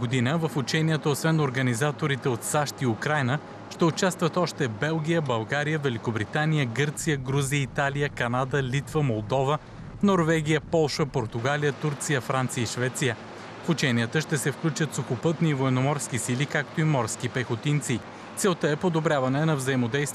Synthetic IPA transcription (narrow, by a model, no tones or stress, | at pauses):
ɡod̪inəvəfut͡ʃɛniɛt̪əosvɛnoɾɡənizat̪oɾit̪ɛot̪saʃt̪iukɾajnə | ʃt̪ɛot͡ʃast̪vət̪ɔʃt̪ɛbɛlˠɡʲijəbɐlˠɡaɾijəvɛlʲikobɾit̪anijəɡɤɾt̪sijəɡɾuziəit̪alijəkɐnad̪əlit̪vəmolˠd̪ɔvə | noɾvɛɡ̟ʲijəpɔlˠʃəpoɾt̪uɡalijət̪uɾt̪sijəfɾant̪sijəiʃvɛt̪sijə | fut͡ʃɛnijət̪əʃt̪ɛsɛfklʲut͡ʃət̪soxopɤt̪nivoɛnomɔɾsk̟isilikak̚t̪oimɔɾsk̟ipɛxot̪int̪si | t̪sɛlˠt̪əɛpod̪obɾʲavɐnɛnɐvzəimod̪ɛjst̪v